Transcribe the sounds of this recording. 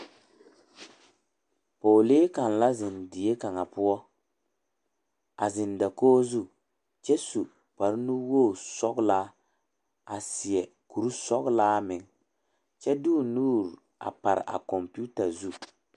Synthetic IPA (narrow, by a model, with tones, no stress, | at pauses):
poː˨leː˦ka˨n˨la˦zɪ˨ndɪ˨e˦ka˨ŋa˨pʊ˦ɔ˦ | a˨zɪ˨nda˨koː˦zu˦ | t͡ʃɛ˦su˨ | k͡pa˨ɾɪ˦nu˦woː˦˨sɔ˦kla˦ | a˨sɪ˨ɛ˨ | ku˨ɾu˦sɔ˦ɣlaː˦mɪ˨ŋ | t͡ʃɛ˦duː˦˨nuː˦˨ɾ | a̰˨pa˨ɾɪ̰˨ʔa̰˨kɔ˨mpu˦ta˨zu˦